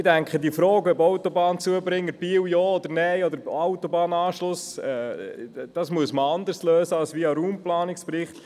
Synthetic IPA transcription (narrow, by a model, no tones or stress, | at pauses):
ɪdæŋkχədiəfɾɔːɡœbɔwt̪ɔbɑːnt͡suəbɾɪŋːəb̥iːwjɔːɔd̪əɾnɛjɔd̪əɾawt̪ɔbɑːnɑːʃlʊsɛ | d̥ɑsmuəsməɑnd̪əɾsløːsəɑlsʋiɑɾuːmplɑːnɪkspɾɪχt̪